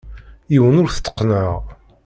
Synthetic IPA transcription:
jiwənʊɾθə̥t̪ːə̥qːnəʁ

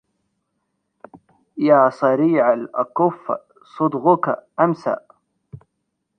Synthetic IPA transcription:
jaːsˤɑɾiːʕalʔakʊfː | sˤʊd̪ɣʊkaʔamsa̰ʔ

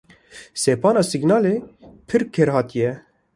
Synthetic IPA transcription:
seːpɑːnɑːsiɡnɑːleːpʰɨɾkʰeɾhɑːt̪ijɛ

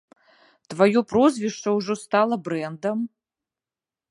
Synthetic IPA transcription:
t̪vajɔprozʲvʲiʂt͡ʂɐwʐost̪alˠɐbrɛnd̪ɐm

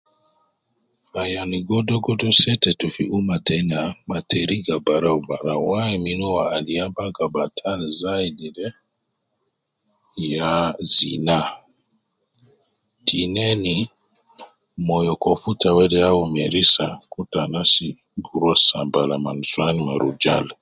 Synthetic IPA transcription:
ajaniɡɔdɔɡɔdɔsɛtɛtufiʔumatɛnamatɛɾiɡabaɾaubaɾawaɛminuwaaliabaɡabatʰan̩zaididɛ | jazḭna | tinɛni | mɔjɔkɔfutawɛdɛjawumɛɾisakutanasi | ɡuɾwasabalaman̩swanimaɾud͡ʒa̰l

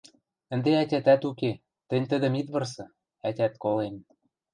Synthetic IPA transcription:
ə̆nd̪eætʲæt̪æt̪uke | t̪ɘ̆nʲt̪ə̆d̪ə̆mit̪βɤ̆rsɤ̆ | ætʲæt̪kolem

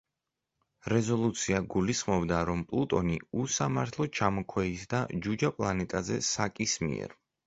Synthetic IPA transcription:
ɾɛzɔlˠut̪sʰiaɡulisχmɔbd̪aɾɔmpʼlˠut̪ʼɔniusamaɾt̪ʰlˠɔt͡ʃʰamɔkʰwɛisd̪ad͡ʒud͡ʒapʼlˠanɛt̪ʼazɛ̰sakʼismḭɛ̰ɾ

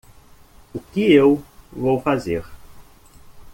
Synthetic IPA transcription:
ʊkɪewvowfazeɾ

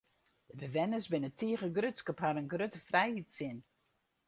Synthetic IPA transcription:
d̥əbəʋɛnəsbɪnətʰiəɣəɡrøtskəphaɾənɡrøtəfrɛjhitsɪn

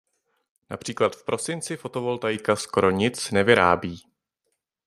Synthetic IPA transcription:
na̰pr̝̥iːklat̪fpɾʔo̞sɪnt͡sɪfo̞t̪o̞vo̞lt̪ajkaskoɾo̞ɲɪt͡snɛvɪɾa̰ːbiː

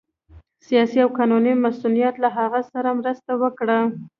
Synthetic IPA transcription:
sijɑsiawkɑnunimasulijat̪laɦaɣasaɾamɾəst̪awəkɽa

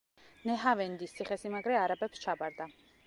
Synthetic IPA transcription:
nɛɦavɛnd̪ist̪ʰiχɛsimaɡɾɛaɾabɛpst͡ʃʰabaɾd̪a

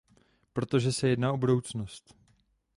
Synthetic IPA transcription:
pɾo̞t̪o̞ʒɛsɛjɛdnaːʔobudo̞wt͡snost̪

